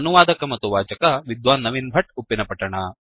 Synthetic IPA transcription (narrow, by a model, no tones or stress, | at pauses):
ɐnuʋaːd̪ɐkɐmɐt̪ːuʋaːd͡ʒɐkɐʋid̪ʋaːnːɐʋinbʱɐʈupːinɐpɐʈːɐɳɐ